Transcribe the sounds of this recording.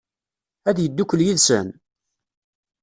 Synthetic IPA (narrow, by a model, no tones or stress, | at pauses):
æðjəd̪ːukʷːəljiðsə̰n